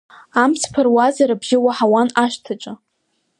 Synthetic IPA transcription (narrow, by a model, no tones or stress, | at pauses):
amsʰpʰarwazaɾabʒʲɪwaħawanaʃtʰat͡ʃʼa